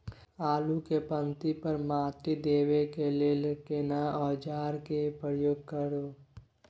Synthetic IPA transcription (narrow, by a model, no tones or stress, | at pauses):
aːlukepə̃nt̪ipəɾmaːt̪id̪eːwekeleːlkenaɔːd͡ʒaːɾkepɾəəjoːɡ̚kəɾoː